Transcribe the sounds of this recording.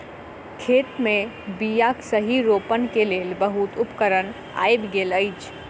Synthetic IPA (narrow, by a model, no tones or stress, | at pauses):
kʰet̪me | bijaksəɦiɾopənkelelbəɦut̪ʊpkəɾən | a̰jbɡeləjt͡ʃʰ